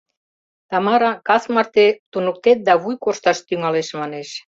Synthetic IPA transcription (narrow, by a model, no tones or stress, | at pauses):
t̪ɑmɑɾɑkɑsmɑrt̪et̪unuk̚t̪et̪̚d̪ɑβujkoʃt̪ɑʃt̪yŋɑleʃmɑneʃ